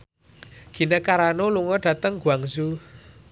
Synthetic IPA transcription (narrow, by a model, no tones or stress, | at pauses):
ɡ̥i̤nəkaɾanoluŋɔɖ̥a̤t̪əŋɡuaŋzu